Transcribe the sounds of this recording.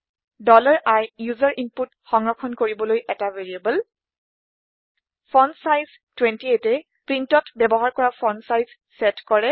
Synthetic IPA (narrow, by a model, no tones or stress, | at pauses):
dɔlaɹʔajjuzaɹʔimput | xɔŋɹɔkʰɔnkoɹibɔlojʔɛtaveɹiabɔl | pʰɔnsajz | twɛntietɛ | pɹintɔtbɛbɔɦaɹkɔɹapʰɔnsajz | sɛtkɔɹɛ